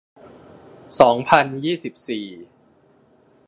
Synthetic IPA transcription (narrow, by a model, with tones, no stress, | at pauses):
sɔː˩˦ŋpʰa˧njiː˥˩si˨˩p̚siː˨˩